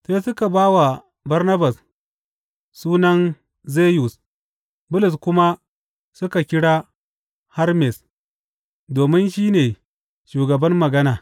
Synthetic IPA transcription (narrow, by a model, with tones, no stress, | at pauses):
se˦sʊ˦ka˨baː˦wa˨ | bɐ˦rnɐ˦ba˨s | suː˦nɐ˦n | zeː˦ju˨s | bʊ˦lʊ˨s̬kʷʊ˦ma˦ | sʊ˦ka˨kʲɪ˦ɽaː˦ | ha˦rmɛ˨s | doː˨mɪ˦nʃiː˦neː˨ | ʃuː˨ɡɐ˨bɐ˦mːɐ˨ɡɐ˦naː˨